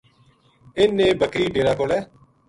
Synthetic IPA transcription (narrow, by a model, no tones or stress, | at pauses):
eːnẽːbəkɾiːɖeːɾaːkoːlɛː